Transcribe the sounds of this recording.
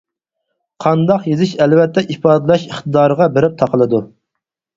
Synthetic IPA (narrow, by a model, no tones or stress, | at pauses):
qʰɑnd̪ɑqjezɪʃɛlvɛt̪ʰːɛʔipɑːd̪ɨlˠɑʃiχt̪ɨd̪ɑːɾəʁɑbeɾɪp̚t̪ʰɑqʰəlˠɨd̪u